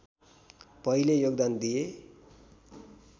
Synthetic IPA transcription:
pʌilejoɡd̪and̪ije

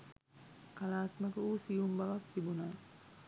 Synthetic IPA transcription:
kalaːt̪məkəuːsijumbaʋakt̪ibuna

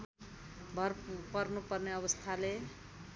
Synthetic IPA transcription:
bʱʌrpʌrnupʌrneʌβʌst̪ʰale

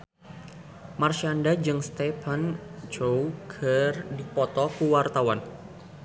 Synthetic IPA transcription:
marʃandad͡ʒɨŋst̪ɛfant͡ʃowkʰərdipɔt̪ɔkuwart̪awan

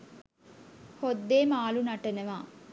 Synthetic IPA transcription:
hod̪ːeːmaːlunɐʈenəʋaː

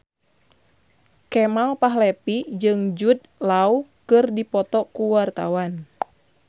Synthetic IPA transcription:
kɛmalpaɦlɛpid͡ʒɨŋd͡ʒut̪̚ | laukɨrdipɔt̪ɔkuwart̪awan

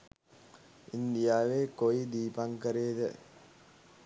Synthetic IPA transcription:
ind̪ijaːʋeːkojd̪iːpaŋkəɾeːd̪ə

